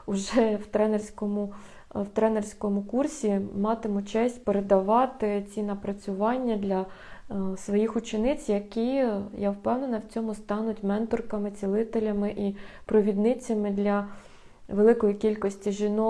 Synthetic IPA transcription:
ʊʒɛwt̪ɾɛnersʲkɔmʊ | wt̪ɾɛnersʲkɔmʊkursʲimɑt̪ɪmʊt͡ʃɛsʲtʲpeɾed̪ɐʋɑt̪ɪt͡sʲinɐpɾɐt͡sʲʊʋɑnʲːɐd̪lʲɐ | sʋɔjixʊt͡ʃɪnɪt͡sʲjɐkʲijawpɛwnenɐwt͡sʲɔmʊst̪ɑnʊtʲmɛnt̪ɔrkɐmɪt͡sʲilˠɪt̪elʲɐmɪʔipɾɔʋʲid̪nɪt͡sʲːɐmɪd̪lʲɐ | ʋelˠɪkɔjikʲilʲkɔsʲtʲiʒʲinɔ

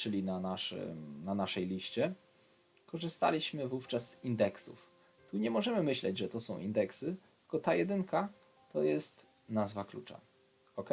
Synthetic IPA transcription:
t͡ʂɘlʲinanaʂɘ̰mnanaʂɛjlʲiɕt͡ɕɛ | kɔʐɘst̪a̰lʲiɕmɘvuft͡ʂasz̥ind̪ɛksṵf | t̪uɲɛmɔʐɛmɘmɘɕlɛ̰d͡ʑʐɛt̪ɔsɔ̃w̃ʔḭnd̪ɛksɘtt̪ɘlkɔt̪ajɛd̪ɘŋka | t̪ɔjɛst̪ | nazvaklut͡ʂa̰ | ɔkɛ

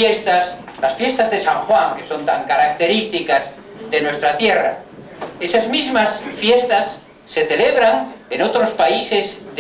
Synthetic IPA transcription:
est̪aslasfjest̪azðesãŋxwaŋkeso̞nt̪aŋkaɾak̚t̪eɾist̪ikaz | ðenwest̪ɾat̪jera̰ | esazmizmasfjest̪asː | eθeleβɾaŋenot̪ɾospaisezð

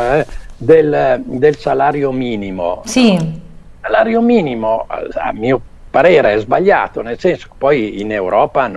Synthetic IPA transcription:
ɛd̪eld̪elsalaːɾjomiːnimo̰si | salaːɾjomiːnimoa̰miːo | paɾeːɾeɛzbaʎːa̰ːt̪onelsenso̥ke̥pɔjinewɾɔːpan

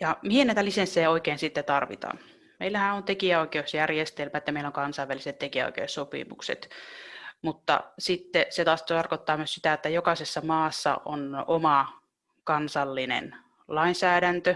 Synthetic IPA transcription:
jɑmihenæit̪ælisensːeːoikeːnsit̪ːet̪ɑrʋḭt̪ɑ̰n | mḛilːæhæont̪ekiæoikeusjærjest̪elmæet̪jæɑmeilːoŋkɑnsɑiʋæliset̪t̪ekiæo̰ikḛussopḭmṵksḛt̪ | mut̪ːɑ̰sit̪ːeset̪ɑst̪ɑrkot̪ːɑːmyøssi̥t̪æet̪ːæjokɑsesːɑmɑːsːɑ̰ʔo̰nomɑ | kɑnsɑlːinḛn | lɑinsæːdænt̪ø

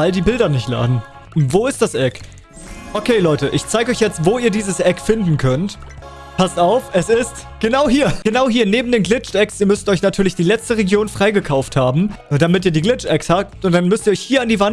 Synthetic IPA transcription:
aldiːbɪldɐnɪçtla̰ːdn̩ | voːɪstd̥asʔɛk | ʔokʰeːlɔʏtəʔɪçt͡saɪɡəɔʏçjɛt͡stv̥oːiːɐdiːzəsʔɛkfɪndn̩kʰœnt | pʰastaʊfʔɛsɪst | ɡ̥ənaʊɦiːɐɡ̥ənaʊɦiːɐneːbm̩deːnɡlɪt͡ʃɛksiːɐmʏstʔɔʏçnatʰyːɐlɪçd̥iːlɛt͡stəʁeɡjoːnfʁ̥aɪɡəkʰaʊfthaːbm̩d̥amɪt̬iːɐdiːɡlɪt͡ʃɛkshaːp̚tʔʊntd̥anmʏstiːɐɔʏçhiːɐandiːvan

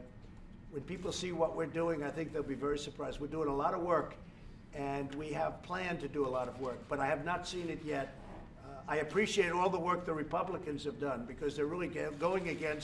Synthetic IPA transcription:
wɨ̃npipl̩ˠsiwʌʔ̚wɪɹduɪ̃ŋaɪθɪ̃ŋk̚ðeɪlˠbivɛɹisə˞pʰɹ̥aɪzd̚wɨɹduɪ̃ŋəlɔɾʌvwɜ˞k | ɨ̃nwiɨv̥pʰl̥æ̃ntɨdəəlɔɾʌvwɜ˞k̚b̥ʌɾaɪɨvnətsĩnɨt̚jɛɾ | aɪɨpʰɹ̥iʃieɪɾɔlˠðəwɜ˞k̚ðɨɹɨpʰʌbləkɨ̃nz̥ɨvdʌ̃nbɨkʰʌzðə˞ɹɪlˠiɡoʊɪ̃ŋɨɡɛ̃ns

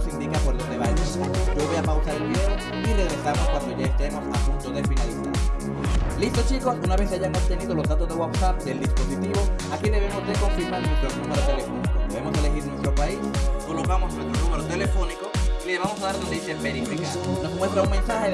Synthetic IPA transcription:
sind̪ikapoɾlozðeβajosɟ͡ʝoβojapawsaɾelβiðeo | ireɣɾe̞samoskwand̪oʝaest̪emosa̰punt̪oðefinalisa̰ɾ | list̪ot͡ʃiko̞sunaβeθeaʝaŋost̪e̞niðo̞lozðat̪ozðewatsap̚d̪e̞ld̪isposit̪iβo̞akiðe̞β̞emoust̪eðkoɱfiɾmaɾnwest̪ɾonumeɾot̪elefo̞nikodeβemo̞sele̞xiɾnwest̪ɾopaisko̞lokamoswest̪ɾonumeɾot̪elefonikoileβamosaðaɾðond̪eisepeɾieke | nosmwe̞st̪ɾauŋme̞nsaxe

